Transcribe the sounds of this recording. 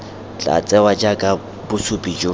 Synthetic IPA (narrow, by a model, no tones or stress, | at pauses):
t͡ɬʼa̰t͡sʼɛwad͡ʒakʼa | bʊsʊpʼid͡ʒo